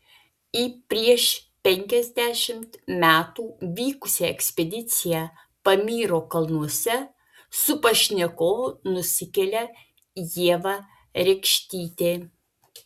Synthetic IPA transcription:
iːpʲɾʲiɛʃpʲɛŋʲkʲɛzʲd̪ʲæːʃʲɪmt̪mʲæːt̪uːʋʲiːkʊsʲɛɛksʲpʲɛd̪ʲɪt̪sʲɪjæ | pɐmʲiːɾoːkɐlˠnuɔsʲɛ | sʊpɐʃʲnʲɛkoːnʊsʲɪkʲɛlʲɛ | jiɛʋɑ | ɾʲɛkʃʲt̪ʲiːt̪ʲeː

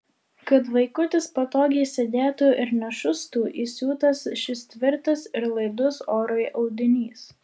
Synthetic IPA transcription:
kɐt̪ʋɐɪkʊt̪ʲɪspɐt̪oːɡʲɛɪsʲeːd̪ʲeːt̪uːʔɪɾnʲɛʃʊst̪uːʔisʲuːt̪ɐsʃʲɪst̪ʲʋʲɪɾt̪ɐsɪɾlˠɐɪd̪ʊsoːɾojʔɒʊd̪ʲɪnʲiːs

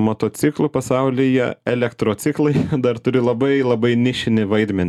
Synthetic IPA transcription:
moːt̪oːt͡s̪ʲɪklˠupɐsɐʊlʲɪjɛ̰ɛlʲɛkt̪ɾoːt͡s̪ʲɪklˠɐɪd̪ɐrt̪ʊɾʲɪlˠɐbɐɪlˠɐbɐɪnʲɪʃʲɪnʲɪʋɐɪd̪ʲmʲɛnʲ

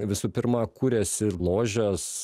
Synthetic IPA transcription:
ʋʲɪsuːpʲɪɾmɑkuːɾʲɛsʲɪlˠoːʒʲɛs

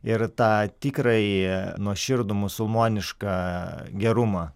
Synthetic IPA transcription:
ɪrt̪ɑːt̪ʲiːkɾɐɪnuɔʃʲɪɾd̪ʊmʊsʊlˠmoːnʲɪʃkɑɡʲɛɾʊmɑː

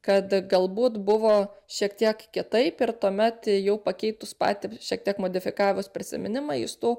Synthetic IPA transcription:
kɐt̪ɡɐlˠbuːt̪bʊʋoːʃʲiɛkt̪ʲiɛkkʲɪt̪ɐɪpɪɾt̪uɔmʲɛt̪jɛʊpɐkʲɛɪt̪ʊspɑ̰ːt̪ʲɪʃʲiɛkt̪ʲiɛkmoːd̪ʲɪfʲɪkɑːʋʲmʊspʲɾʲɪsʲɪ̰mʲɪnʲɪmɑɪ̰ʃt̪uː

